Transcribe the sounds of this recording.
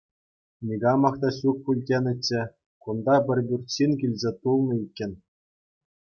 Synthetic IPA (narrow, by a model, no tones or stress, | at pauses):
nʲiɡɑmɑχt̪ɑɕuk̚pulʲdʲenʲɘ̆t͡ɕːɘ̆ | kund̪ɑpʲɘ̆rʲbʲurʲt͡ɕinkʲilʲzʲet̪ulˠnɤ̆ikʲːɘ̆nʲ